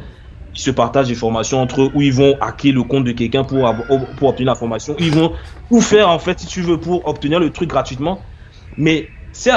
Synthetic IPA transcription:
ilsəpaʁt̪aʒlefɔʁmasjɔ̃ɑ̃t̪χəʔuilvɔ̃ʔakeləkɔ̃t̪̚d̪əkʲɛlkʲɛ̃puʁavpuʁɔp̚t̪əniʁlɛfɔʁmasjɔ̃uilvɔ̃ufɛʁɑ̃fɛt̪sit̪yvøpuʁɔp̚t̪əniʁlət̪χyk̚ɡʁat̪ɥit̪mɑ̃ | mɛsɛ

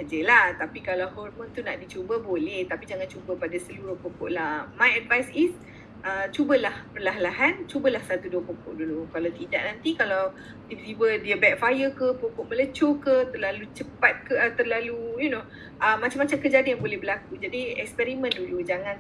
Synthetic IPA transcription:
sad͡ʒəlaht̪apikalawhɔrmə̃nt̪unaʔdit͡ʃubəbolɛht̪apid͡ʒaŋant͡ʃubəpadasəluɾʊhpokɔ̰ʔlahmajɛdvajsis | ət͡ʃubəlahpərlaɦlaɦant͡ʃubəlahsat̪uduəpokɔ̰ʔ̚dulukalawt̪idaʔnãnt̪ikalaw | ifiwədiəbɛk̚fajəkəpokɔʔmələt͡ʃokət̪ərlalut͡ʃəpat̪̚kət̪ərlalujuno | ʔəmat͡ʃamat͡ʃamkəd͡ʒadijaŋbolɛhbəlakud͡ʒadiɛ̰kspɛɾimə̃ndulud͡ʒaŋãn

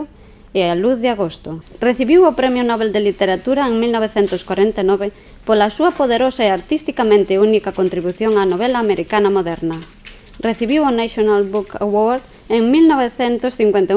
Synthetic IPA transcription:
ealuθðɪaɣost̪ʊreθiβiwʊpɾɛmjʊnɔβeld̪elit̪eɾat̪uɾɐeŋmilnɔβeθɛnt̪ʊskwaɾent̪anɔβe | polasuɐpoðeɾosaeaɾt̪ist̪ikamẽnt̪eunikɐkont̪ɾiβuθjoŋanoβ̞ɛlaːmeɾʔikanɐmoðɛɾnɐ | reθiβiwonaʃonalbuka̰woɾð | eŋmilnɔβeθɛnt̪ʊsθiŋkwent̪a

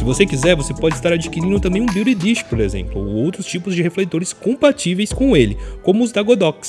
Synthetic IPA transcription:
sɪvosekizɛɾvosepɔd͡ʒɪist̪aɾad͡ʒikiɾĩnd̪ʊt̪ɐ̃mbẽj̃ũbiuɾid̪iʃɪ̥poɾezḛ̃mplʊo̰owt̪ɾʊst͡ʃipʊzd͡ʒɪheflejt̪oɾɪskõmpat͡ʃivejskõw̃elɪkõmʊʊzd̪aɡod̪ɔks

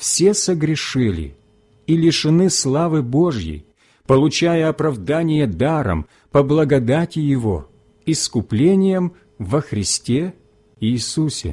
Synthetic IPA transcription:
fsʲe̞səɡɾʲɪʂɨlʲɪ̰ | ilʲɪʂɨnɨslˠavɨbo̞ʐjɪ̰j | pəlˠʊt͡ɕajəɐpɾɐvd̪anʲɪjəd̪aɾə̰m | pəblˠɐɡɐd̪atʲɪjɪvo̰ | ɪskʊplʲenʲɪjəm | vəxɾʲɪsʲtʲe | iːsusʲɪ̰

